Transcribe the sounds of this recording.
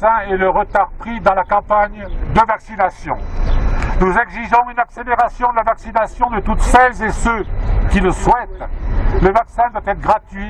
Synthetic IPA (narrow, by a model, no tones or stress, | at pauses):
ɛ̃ɛləʁət̪aʁpχid̪ɑ̃lakɑ̃paɲd̪əvaksinasjɔ̰̃ | nuzɛɡziʒɔ̃ynakseleʁasjɔ̃d̪əlavaksinasjɔ̃d̪ət̪ut̪sɛlzesøkʲiləswɛt̪ləvaksɛ̃d̪wat̪ɛt̪χəɡʁat̪ɥi